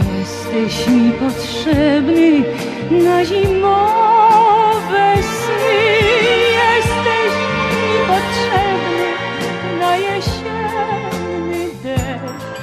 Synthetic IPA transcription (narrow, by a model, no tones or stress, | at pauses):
jɛst̪ɛɕmʲipɔtʂɛbnɨ | naʑimɔ | vɛsnɨ | jɛst̪ɛɕmʲipɔtʂɛbnɘ | najɛɕɛnːɪd̪ɛ